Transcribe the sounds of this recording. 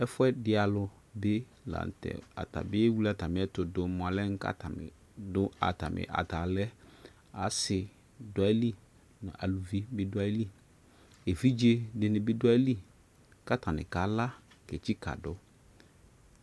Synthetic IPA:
ɛ˦fʊ˦ɛ˦dɪ˦a˨lʊ˨ | be˦ | lã̰˨n˨tɛ̰˨a̰˨ta̰˨bɪ˦wu˦li˦a˨ta˨mɪ̃˨ɛ˦tʊ˨dʊ˨mʊ̃˨a˨lɛ˦ŋ̩˦ka̰˦tʰa˨mɪ̰˨ | dʊ˦a̰˨ta˨mɪ̰̃˨ʔa̰˨ta˨lɛ˦ | a˨sɪ˨ | da˦li˦ | nʊ̰̃˨ʔa̰˨lu˨vi˦bɪ˦dʊ˦a˦li˦ | e˨vi˦d͡ʒe˦dɪ˨nɪ̃˨bɪ˦dʊ˦a˦li˦ | ka˦ta˨nɪ̰̃˨ka˨la˦ | ke˨t͡ɕi˦ka̰˨dʊ˦

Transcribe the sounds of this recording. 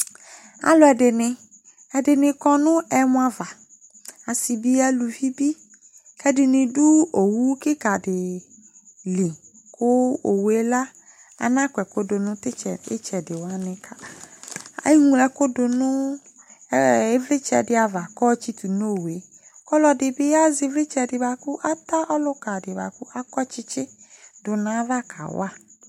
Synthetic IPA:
a̰˨lɔ˨˦ɛ˨ɖɪ˨nɪ̃˨ | ɛ˨ɖɪ˨nɪ̃˨kɔ˦nʊ̃˦ɛ˦mʊ̃˦a˨va˨ | a˨si˨bi˦a˦lu˨vi˦bi˦ | kɛ˦dɪ˨nɪ̃˨ɖu˦o˨wu˦kɪ˦ka˨ɖɪ˨ | li˨ | kʰʊ˦o˨wu˨e˦la˦ | a̰˨nã˦kʷɛ˨kʊ˦dʊ˨nʊ̃˦t̪ɪ˦t͡ʃɛ˨ɪ˦t͡ʃɛ˨dɪ˨wa˦nɪ̃˦ka˦ | a̰˨˦ji˦ŋũ˦lɛ˦kʊ˦dʊ˨nʊ̃˦ | e˦vlɪ˦t͡ʃɛ̰˨dɪ˦a˨va˨kɔ˦t͡ʃi˦t̪u˨no˦˨we˨˦ | kɔ˦lɔ˨dɪ˨bɪ˦ja˦zɪ˨vlɪ˦t͡ʃɛ˨dɪ˨ba˨kʊ˦ʔa˦t̪a˦ʔɔ˦lʊ˦ka˨dɪ˨ba̰˨kʊ˦ʔa˦kɔ˦t͡ʃɪ˦t͡ʃɪ˦dʊ˨nã˦va˦kʰa̰˨wa̰˦

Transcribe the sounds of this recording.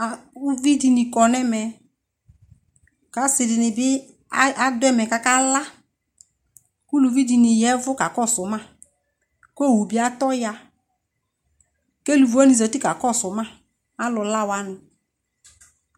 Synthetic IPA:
u˦vi˦di˧ni˧kɔ˨nɛ˦mɛ˧ | ka˨˦sɪ˧dɪ˧nɪ˨bɪ˦ | a˦dʊ˦ɛ˦mɛ˨ka˨˦ka˦la˦ | ku˦lu˨vi˦di˧ni˨jɛ˦vʊ˦ka˨kɔ˦˨sʊ˨˦ma˦˨ | ko˦˨wu˨bi˦a˦tɔ˦ja˧ | ke˦lu˨vɔ˦ni˧˨zɔ˨ti˦ka˨kɔ˦˨sʊ˨˦ma˦˨ | a˦lʊ˧la˦˨wa˦nɪ˨

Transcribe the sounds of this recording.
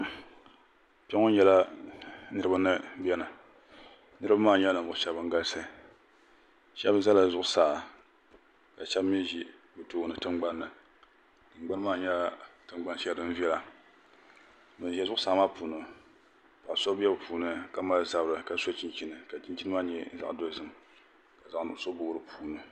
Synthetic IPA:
pɛ˦ŋo˦ɲɛ˨la˦ | nɨ˦ɾɨ˦ba˦nɨ˦bɛ˦nɨ˨ | nɨ˦ɾɨ˦ba˦maː˦˨ɲɛ˦nɨ˨m˨˦ʃɛ˦bɨ˦ŋɡa˦lsa˦˨ | ʃɛ˦bza˦la˨zʊ˦˨ʔʊ˦saː˨ | ka˨ʃɛ˦bmi˦ʒi˦ | bɨ˨toː˦˨nɨ˨tɨ˦mɡ͡ba˦nːɨ˨ | ɨ˨ŋ͡mɡ͡ba˦n˦maː˦˨ɲɛ˦tɨ˦ŋ͡mɡ͡ba˦nʃɛ˦dɨ˦n˦vi˦ɛ˦la˨ | bɨ˨n˨ʒi˨ɛ˦zʊ˦ʔʊ˦saː˨˦ma˦puː˨nɨ˨ | pa˨ʔso˦bɛ˦bɨ˨pʰuː˨nɨ˦ka˨ma˦lza˦bɾɨ˨ka˦so˦t͡ʃi˦nt͡ʃi˦nɨ˨ka˨t͡ʃi˦nt͡ʃi˦nɨ˦ma˦ɲɛ˦za̰˨ʔdo˦zɨ˦m | ka˨za˨nʊ̰˨˦so˦bʊ˦˨˦ɾɨ˦pʰuː˨nɨ˨

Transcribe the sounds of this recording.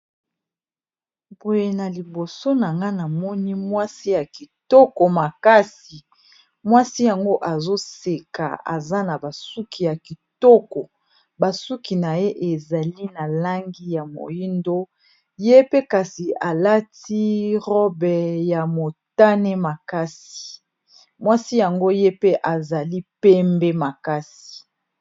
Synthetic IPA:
bo˨je˨na˨li˨bo˨so˦na˨ŋɡa˦na˨mɔ˦ni˦mwa˦si˦ja˨ki˨tɔ˦kɔ˨ma˨ka˦s | i˨ | mwa˦si˦ja˨ŋɡo˦ʔa˨zo˦se˨ka̰˨a̰˨za˦na˨ba˨su˦kʰi˨ja˨ki˨tɔ˦kɔ˨ | ba˨su˦ki˨na˨je˦ʔe˨za˨li˦na˨la˦ŋɡi˦ja˨mo̰˨ji˦ndo˦ | je˦pe˦ka˨si˨a˨la˦ti˦ʁɔ˦bɛ˨ja˨mo˨ta˦nɛ˦ma˨ka˦si̥˨ | mwa˦si˦ja˨ŋɡo˦je˦pe˦ʔa˨za˨li˦pɛ˦mbɛ˦ma˨ka˦si̥˨

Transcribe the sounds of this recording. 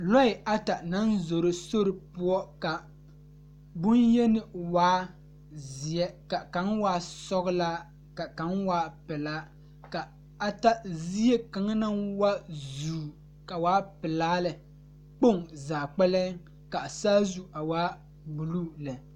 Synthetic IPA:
lɔ˦ɪ˨ʔa˦ta˨na˦nzo˨ɾɪ˦so˦ɾɪ˨pʊ˦ɔ˦ka˨ | bʊ˦njɛ˦nɪ˨waː˦ | zi˨jɛ˦ka˨ka˨˦ŋwaː˦sɔ˦ɣʊ˦laː˦ | ka˨ka˨nwaː˦pɪ˨laː˦ | ka˨ | a˦ta˦zi˦jɛ˦ka˨ŋa˦na˦nwa˦zuː˨˦ | ka˨waː˦pɪ˨laː˦lɨ˨ | k͡po˦˨ŋzaː˨k͡pɛ˦lɛ˦ | ka˨saː˦zu˦ʔa˨waː˦ | bu˨lu˦lɛ˨

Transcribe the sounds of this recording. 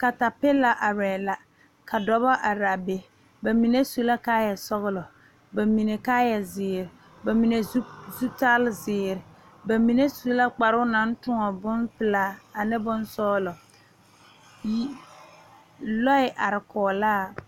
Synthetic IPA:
ka˨ta˨pɪ˦la˦ʔa˨ɾɛː˨la˨ | ka˨dɔ˨bɔ˦ʔa˨ɾa˨be˨ | ba˨mi˨ne˦su˦la˦kaː˦jɛ˨sɔ˦ɣʊ˦lɔ˨ | ba˨mi˨ne˨kaː˦jɛ˨zɪː˨ɾɪ˨ | ba˨mi˨ne˨˦zu˦ta˦lzɪː˨ɾɪ˨ | ba˨mi˨ne˦su˦la˦k͡pa˨ɾʊ˦na˨˦n˦tʊ˦ŋɔ˨bʊ˦npɪ˨laː˦a˨nɪ˦bʊ˦nsɔː˦lɔ˨ | ji˦ | lɔ˦ɪ˨ʔa˨ɾɪ˨kʰɔː˨laː˦˨

